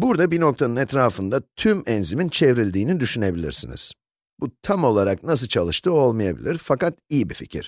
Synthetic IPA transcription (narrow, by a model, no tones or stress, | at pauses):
buɾd̪abino̞k̚t̪ʰanɯnɛt̪ɾaːfɯnd̪at̪ʰymɛnzimint͡ʃʰevɾilʲd̪iːnid̪yʃyne̞bilʲḭɾsinḭz̥ | but̪ʰamo̞lˠaɾaknas̬ɯlˠt͡ʃʰalˠɯʃt̪ʰɯo̞lˠmɯjabḭlʲiɾfakat̪ijibifḭcʰḭɾ̥